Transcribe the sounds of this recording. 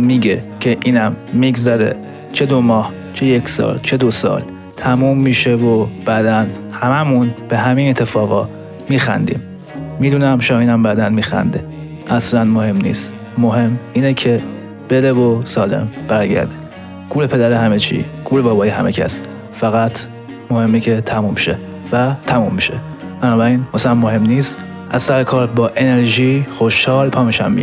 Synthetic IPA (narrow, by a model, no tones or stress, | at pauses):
miːɟecʰe̞ʔiːnæmːiɡzæɾe̞̰ | t͡ʃʰed̪omɒːh | t͡ʃʰejecʰsɒ̰lt͡ʃʰed̪osɒ̰ːl | t̪ʰæmuːmːiːʃevob̥æd̪æn | hæmæmunb̥eɦæminet̪ʰːefɒːɣɒː | miːxæ̰nd̪ḭːmː | iːd̪uːnæmʃɒiːnæmbæd̪ænmiːxæ̰nd̪e | ʔæslænmohe̞mnḭːst̪ | moɦe̞miːnecʰe̞ | b̥e̞d̪evosɒːle̞̰mb̥æɾɟæ̰ɾd̪e | ɡ̥uːlepʰe̞d̪æɾehæmet͡ʃʰḭɡ̥ʰuːlebɒːbɒːiɦæ̰mecʰæ̰s | fæɣæt̪ʰ | mohe̞mːecʰet̪ʰæmumʃe | væt̪ʰæmumːiʃe | b̥ænɒːbæɾiːnmæsænmoɦe̞mniːst̪ | ʔæzsæɾekʰɒːɾbɒːʔe̞neɾʒiːxo̞ʃhɒːlpʰɒːmiʃæ̰mːḭ